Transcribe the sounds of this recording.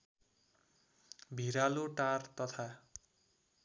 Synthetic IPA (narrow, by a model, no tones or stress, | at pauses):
bʱiɾaluʈart̪ɔt̪ʰa